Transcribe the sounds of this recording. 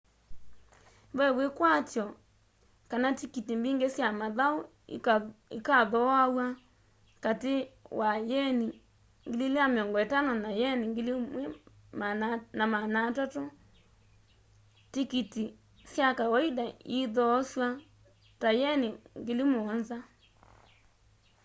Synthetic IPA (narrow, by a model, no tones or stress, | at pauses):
bɛwekwatjɔ | kanatikitimbiŋɡesjamaðao | ikaðɔawa | katewʔajɛni | ŋɡilileameɔŋɡɔetanɔnajɛniŋɡilimwɛ | mnamanatato | tikiti | sjakawɔidaiðɔswa | tajɛniŋɡelimoɔnza